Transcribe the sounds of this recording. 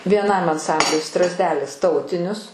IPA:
ʋʲiɛˈnɐm ɐnˈsɐmʲbʲlʲʊɪ ˈstrɑːzʲdʲɛlʲɪs ˈtɐʊtʲɪnʲʊs

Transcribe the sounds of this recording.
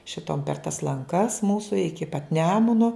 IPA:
ʃʲɪˈtoːm pʲɛr tɐs lˠɐŋˈkɐs ˈmuːsʊ ˈɪkʲɪ pɐt ˈnʲæːmʊnoː

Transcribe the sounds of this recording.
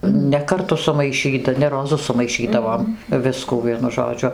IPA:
nʲɛ kɐrˈtʊ sʊmɐɪˈʃʲiːtɐ nʲɛ roːˈzʊ sʊmɐɪˈʃʲiːdɐʋoːm ˈʋʲɪskuː ˈʋʲiɛnʊ ʒoːˈd͡ʒʲʊ

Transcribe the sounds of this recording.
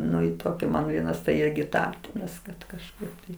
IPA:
ˈnʊ ɪ ˈtoːkʲɪ ˈmɐn ˈʋʲiɛnɐs tɐɪ ˈɪrʲɡʲɪ ˈtɑː ˈrɐs kɐt kɐʃˈkɐɪp tɐɪ

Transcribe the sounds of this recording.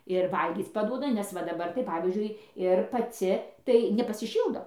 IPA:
ɪr ˈʋɐlʲɡʲiːt͡s pɐˈduɔdɐ nʲɛs ˈʋɐ dɐˈbɐr tɐɪ ˈpɑːʋʲiːzʲd͡ʒʲʊɪ ɪr pɐˈt͡sʲɪ tɐɪ nʲɛpɐsʲɪˈʃʲiːlˠdoː

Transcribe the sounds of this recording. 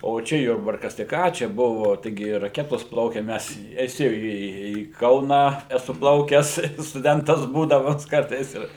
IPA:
oː ˈt͡ʃʲɛ ˈjʊrbɐrkɐs tɐɪ ˈkɑː t͡ʃʲɛ ˈbʊʋoː tɐɪˈɡʲɪ rɐˈkʲæːtoːs ˈplˠɐʊkʲɛ ˈmʲɛs ɛˈsʲɪ iː iː ˈkɐʊnɑː ɛˈsʊ ˈplˠɐʊkʲɛs stʊˈdʲɛntɐs ˈbuːdɐmɐs ˈkɐrtɐɪs ɪr

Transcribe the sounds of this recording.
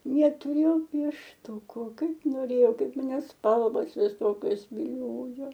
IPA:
nʲɛtʊˈrʲeːjɛʊ pʲiɛʃˈtuːkʊ ˈkɐɪp noːˈrʲeːjɛʊ ˈkɐɪp mɐˈnʲɛ ˈspɐlˠʋoːs ʋʲɪˈsoːkʲoːs ʋʲɪˈlʲoːjoː

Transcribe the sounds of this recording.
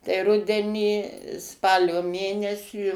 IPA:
tɐɪ ˈrʊdʲɛnʲiː ˈspɑːlʲoː ˈmʲeːnʲɛsʲiː

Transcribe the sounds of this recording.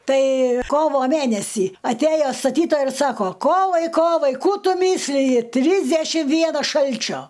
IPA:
ˈtɐɪ ˈkoːʋoː ˈmʲænʲɛsʲiː ɐtʲˈæjoː stɐˈtʲiːtoːjɛɪ ɪr ˈsɑːkoː ˈkoːʋɐɪ ˈkoːʋɐɪ ˈkuː ˈtʊ ˈmʲiːsʲlʲɪjɪ ˈtʲrʲiːzʲdʲɛʃʲɪm ˈʋʲiɛnɐs ˈʃɐlʲt͡ʃʲoː

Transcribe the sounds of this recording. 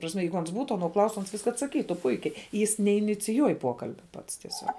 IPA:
tɐ prɐsʲˈmʲɛ ˈjɛɪɡʊ ˈɐns ˈbuːtʊ ɐˈnoː ˈklˠɐʊstʊ ˈɐns ɐtsɐˈkʲiːtʊ ˈpʊɪkʲɛɪ jɪs nʲɛɪnʲɪt͡sʲɪˈjuɔj ˈpuɔkɐlʲbʲɛ ˈpɐts tʲiɛˈsʲuɔk

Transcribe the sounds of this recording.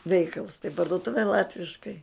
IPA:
ˈʋʲɛɪkɐlˠs tɐɪ pɐrduɔˈtʊʋʲɛ ˈlˠɑːtʲʋʲɪʃkɐɪ

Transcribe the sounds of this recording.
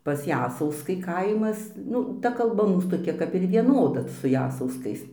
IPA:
pɐs ˈjæːsɐʊskɐɪ ˈkɐɪmɐs ˈnʊ ˈtɐ kɐlˠˈbɐ ˈmuːs toːˈkʲɛ kɐp ɪr ʋʲiɛˈnoːdɐ sʊ ˈjæːsɐʊskɐɪs

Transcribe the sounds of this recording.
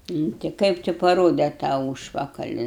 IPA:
nʊ ˈtʲɪ ˈkɐɪp tʲɪ pɐˈroːdʲɛ tɑː ˈuːʃpɐkɐlʲɪ

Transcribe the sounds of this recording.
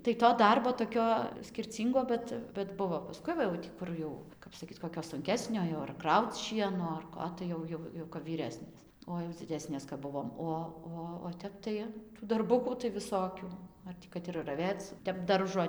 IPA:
tɐɪ toː ˈdɐrboː toːˈkʲoː sʲkʲɪrʲˈt͡sʲiːŋɡoː ˈbʲɛt bʲɛt ˈbʊʋoː pɐˈskʊɪ ˈʋɐ jɛʊ ˈkʊr jɛʊ ˈkɐp sɐˈkʲiːt koːˈkʲoː sʊŋʲˈkʲæːsʲnʲoː joː ɐr ˈkrɐʊt͡s ˈʃʲiɛnoː ɐr ˈkoː tɐɪ ˈjɛʊ ˈjɛʊ jɛʊ kɐp ʋʲiːˈrʲæːsʲnʲeːs oː jɛʊ d͡zʲɪˈdʲæːsʲnʲeːs kɐp ˈbʊʋoːm ˈoː ˈoː oː ˈtʲɛp tɐɪ dɐrˈbʊkuː tɐɪ ʋʲɪˈsoːkʲuː ˈɐr tʲiː kɐt ɪr rɐˈʋʲeːt͡s ˈtʲɛp ˈdɐrʒoː

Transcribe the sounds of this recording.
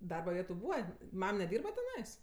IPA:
ˈdɐrbɐ ˈʋʲiɛtʊ ˈbuːʋɐ ˈmɐm nʲɛˈdʲiːrbɐ tʲɛˈnɐɪs

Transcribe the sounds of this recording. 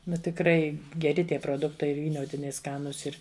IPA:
ˈnʊ tʲɪkˈrɐɪ ɡʲɛˈrʲɪ ˈtʲiɛ proːˈdʊktɐɪ ʋʲiːˈnʲoːtʲɪnʲɛɪ ˈskɑːnuːs ˈɪr

